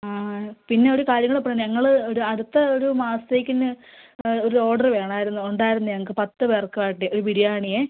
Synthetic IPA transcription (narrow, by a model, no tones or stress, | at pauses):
aːpinːe̞o̞ɾukaːɾjɐŋːɐɭepːɐːnɲɐŋːɐɭɨoɾuɐɽut̪ːɐoɾumaːst̪eːkʲːinːɨ | o̞ɾuo̞ːɖɐrʋe̞ːɳaːjiɾunːuuɳɖaːjiɾunːuɲɐŋɐk̬ːɨpɐt̪ːɨʋeːrkːaːʈːɨo̞ɾubiɾijaːɳije